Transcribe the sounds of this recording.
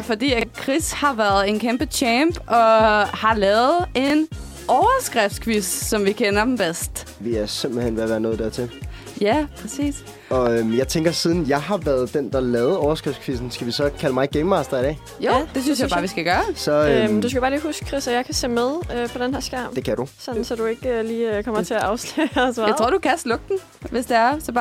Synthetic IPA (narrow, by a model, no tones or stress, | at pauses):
fɒ̽dḭːækʰʁishɑ̈ʋæɐð̞̩ˠe̝nkʰemb̥ət͡ɕʰɛmb̥ʔɒ̽hɑ̈lɛːʊð̩ˠe̝n | ɒʊɐsɡ̥ʁɛfd̥skʰʋissɒ̽mʋikʰenɐd̥m̩b̥esd̥ | ʋiæɐsem̰b̥l̩hen̰ʋeɐʋæːɐnɔːðˠd̥æɐt͡sʰe̝l | jæpʰʁɛsḭːs | ɒ̽ømjɑ̈ɪt͡sʰeŋɡ̥ɐsiːð̞ˠn̩jɑ̈ɪɦɑ̈ʋæɐð̞̩ˠd̥end̥ɑ̈lɛːʊð̩ˠɒʊɐsɡ̥ʁɛfd̥skʰʋisn̩sɡ̥æʋisɒ̽kʰæləmɑ̈ɪɡ̥eɪmːɑsd̥ɐid̥ɛ̰ː | jo̰d̥e̝s̬ynsjɪbɑ̈ʋisɡ̥æɡ̥ɶːɐsɒ̽d̥us̬kæbɑ̈ːliːɦusɡ̥ʰʁisæjɑ̈ɪkʰæsḛːmeðˠøpʰɒ̽d̥enɦæɐsɡ̥æɐ̰md̥e̝kʰæɾ̥usɒ̽nnn̩sɒ̽d̥ue̝ɡ̥øliːkʰɒm̰ɐt͡sʰe̝æʔɑ̈ʊslɛsʋɑaɪʁoɐ̰d̥ukʰæsd̥lɔ̽ɡ̥̚d̥n̩ | ʋe̝sd̥e̝æɐsɒ̽b̥